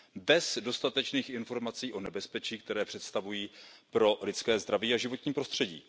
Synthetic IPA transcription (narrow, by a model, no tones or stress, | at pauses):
bɛzdo̞st̪at̪ɛt͡ʃniːxʔɪnfo̞ɾmat͡siːʔo̞nɛbɛspɛt͡ʃiːk̚t̪ɛɾɛːpr̝̥ɛt̪st̪avujiːpɾo̞lɪt͡skɛːzd̪ɾaviːaʒɪvo̞t̪ɲiːpɾo̞st̪r̝̥ɛɟḭː